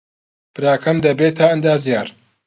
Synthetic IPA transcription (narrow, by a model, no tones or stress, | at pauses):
bɨɾaːkʰɐmd̪ɐbeːt̪ʰɐɐnd̪aːzijaːɾ